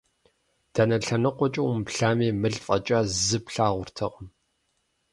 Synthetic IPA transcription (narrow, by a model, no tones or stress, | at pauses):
d̥ɐnɐɬɐnɨqʷɔt͡ʃʼɐwʊmpɬaːmeːmɨɮfʼɐt͡ʃʼɐzɨpɬaːʁʷʊrtʰɐqʼəm